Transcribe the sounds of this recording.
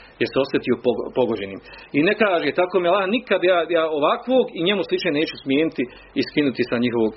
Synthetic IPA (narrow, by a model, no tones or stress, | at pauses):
jeɾseo̞sjet̪ijo̞poɡpo̞ɡod͡ʑe̞niːminekaːʒeːt̪akoːmilˠaːnikad̪jaːjaːoʋakʋoːɡiɲe̞muslit͡ʃnene̞ːt͡ʃusmjeːnit̪i | iskinut̪isaɲiɦo̞ʋoːɡ